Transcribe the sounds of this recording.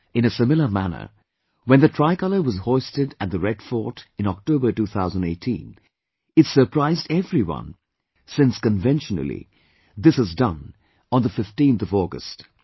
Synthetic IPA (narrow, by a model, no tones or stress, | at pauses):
ɨ̃nɨsɪmɪlˠəmæ̰nə̰˞ | wɨ̃nðɨtʰɹ̥aɪkʌlˠə˞wʌzhɔɪstɨɾɨ̃t̪̚ðɨɹɛd̥fɔɹɾɨ̃nɔk̚toʊbə˞tuθaʊzə̃n̩deɪtʰḭ̃n | ɨtsə˞pʰɹ̥aɪzdɛvɹiwʌ̰̃n | sɪ̃nskɨ̃ɱvɛ̃nʃn̰l̩ˠḭ | ðɪsəzdʌ̰̃n | ə̃nðəfɪftĩnθʌvɔɡə̰st